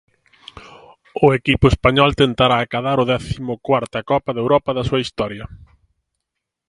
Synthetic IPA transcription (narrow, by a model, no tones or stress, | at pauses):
ʊekipʊespaɲɔlt̪ent̪aɾaːkaðaɾʊðɛθimʊkwaɾt̪ɐkɔpɐðewɾɔpɐðɐsuɐist̪ɔɾjɐ